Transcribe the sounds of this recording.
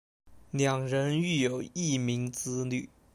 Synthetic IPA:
ljɑ˨˩ŋɻə˧˥ny˥˩jo˨˩ʊi˥˩mi˧˥ŋt͡sɹ̩˥ly˥˩

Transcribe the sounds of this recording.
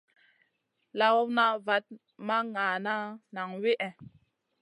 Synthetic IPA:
la˦wɔ˦wna˦va˦t̚ | ma˦ŋaː˨na˦na˨ŋwi˦ʔɛ˨

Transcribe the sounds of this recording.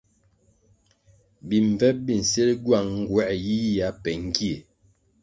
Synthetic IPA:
bi˨ɱ˨vɛ˦p̚bi˨n̩˨se˦lɟwa˦˨ŋŋ̩˦ɡwɛ˦ʔji˦ja˨˦pɛ˨ŋ̩˦ɡi˦e˨

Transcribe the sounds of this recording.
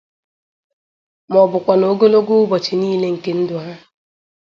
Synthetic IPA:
mɔ˨bʊ˨kʷa˨no˨˦ɡo˦lo˦ɡo˦ʊ˦bɔ˨t͡ʃɪ˨niː˦le˦ŋ̩˨ke˦n̩˦dʊ˨ɦa˦

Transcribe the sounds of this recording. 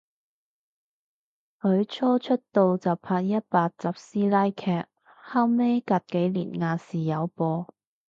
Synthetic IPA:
hɵ˨˧˥ɥt͡ʃʰɔː˥t͡ʃʰɵ˥t̚t̪o˨˧wt͡sɐ˨wpʰaː˧k̚jɐ˥t̚paː˧k̚t͡sɐ˨˧p̚siː˥laː˥jkʰɛː˥t̚ | haː˥wme˥kɐ˨˧t̚ke˨˥jlḭː˨˩nŋaː˧siː˨jɐ˨˧wpɔː˧

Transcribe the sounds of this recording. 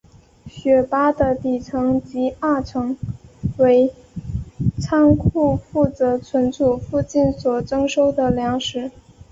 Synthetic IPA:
ɕɥɛ˧˨˩pa˥d̪ə˨t̪i˨˩ʈ͡ʂʰɤ˧˥ŋt͡ɕi˧˥a˥˩ʈ͡ʂʰɤ˧˥ŋwe˧˥ɪ | t͡sʰɑ˥ŋkʰu˥˧fu˥˩t͡sɤ˧˥t͡sʰwə˧˥nʈ͡ʂu˨˩fu˥˧t͡ɕi˥˩nswɔ˨˩ʈ͡ʂɤ˥ŋʂo˥ʊd̪ə˨ljɑ˧˥ŋʂɻ̩˨˩˥

